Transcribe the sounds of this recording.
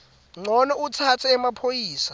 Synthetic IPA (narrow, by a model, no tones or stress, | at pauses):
ŋ͡ǀɔnɛutʰatʰɛɛmapʰojiːsa